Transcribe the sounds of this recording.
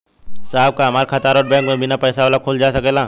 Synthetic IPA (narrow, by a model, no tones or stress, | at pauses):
saːɦb̚kaɦɐmaːɾkʰɐt̪aːɾoːʈ̚bɛ̃ːŋkmẽbʱɪnapɛːsaʋaːlakʰʊːld͡ʒaːsɐkeːlaː